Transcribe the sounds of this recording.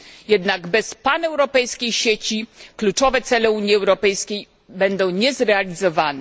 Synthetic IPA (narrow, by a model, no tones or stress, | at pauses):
jɛd̪naɡbɛspanɛwɾɔpɛjskʲejɕet͡ɕiklut͡ʂɔvɛt̪sɛlɛuɲjiɛwɾɔpɛjskʲej | bɛnd̪ɔ̃w̃ɲɛzɾɛalʲizɔvanɛ